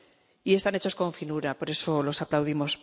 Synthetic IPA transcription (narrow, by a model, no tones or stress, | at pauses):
ie̞st̪ane̞t͡ʃo̞sko̞ɱfinuɾapo̞ɾe̞so̞lo̞saplawðimo̞s